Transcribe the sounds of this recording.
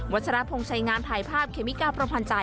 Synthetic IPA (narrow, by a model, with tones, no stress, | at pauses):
wa˦˥sʰa˧ɾa˦˥pʰo˧ŋt͡ɕʰa˧jŋaː˧np̪ʰaː˧jpʰaː˥˩p̚kʰeː˧˩mi˦˥kaː˧˩pʰɾa˧mpʰa˧nt͡ɕa˧